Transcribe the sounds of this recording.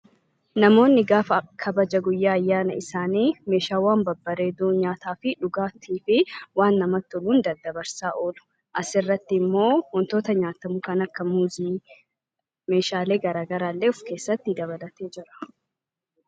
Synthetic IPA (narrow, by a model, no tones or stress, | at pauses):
nɐmo̞ːnːɪɡaːfɐkʰɐbɐd͡ʒɐɡʊjːaːɐjːaːnɐ̰ɪsaːniːme̞ːʃaːwaːnbɐbːɐɾe̞ːd̪uːɲaːt̪aːfɪᶑʊɡaːt̪ʰiːfɪwaːnːɐmɐt̪ːʊluːnd̪ɐd̪ːɐbɐɾsaːʔo̞ːlʊ̥ | ʔɐsɪrːɐt̪ːɪmːo̞ːwɔnt̪o̞ːt̪ɐɲaːt̪ɐmʊkɐnɐkːɐmuːziː | me̞ːʃaːle̞ːɡɐɾaːɡɐɾaːlːeːʊfke̞ːsːɐt̪ːɪd̪ɐβɐlɐt̪e̞ːd͡ʒɪɾɐ̥